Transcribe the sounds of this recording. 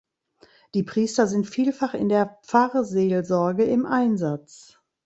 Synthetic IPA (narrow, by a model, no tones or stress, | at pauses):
d̥iːpʁ̥iːstɐzɪntfiːlfaχɪ̰ndeːɐp͡faːʁəzeːlzɔɐɡəɪmʔaɪnzat͡s